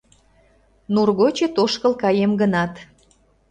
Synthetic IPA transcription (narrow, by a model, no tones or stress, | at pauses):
nurɣot͡ɕet̪oʃkəlkɑjemɡənɑt̪